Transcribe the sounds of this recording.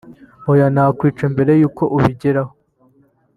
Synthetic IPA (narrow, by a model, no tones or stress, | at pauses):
ojanaːkwiːt͡ʃembe̞ɾe̞juːko̞ʔuβiɟeɾaho